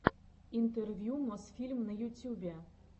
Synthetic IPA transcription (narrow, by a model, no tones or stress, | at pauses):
int̪ɛrvʲjumɔsfʲilʲmnɐjut̪ʲubʲɛ